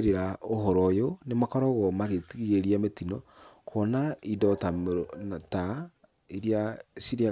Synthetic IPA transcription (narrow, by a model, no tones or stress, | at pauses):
ɾeɾaoɦɔɾɔjonemakɔɾɔɣɔmaɣetiɣeɾiametinɔkʰɔnaidɔtamata | iɾiasiɾia